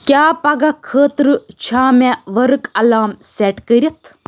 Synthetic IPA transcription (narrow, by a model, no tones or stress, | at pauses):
kʲjaːpɐɡɐkʰəːt̪ɾɨt͡ʃʰaːmeʋɐɾɨkɐlaːmseʈkəɾʲɐt̪ʰ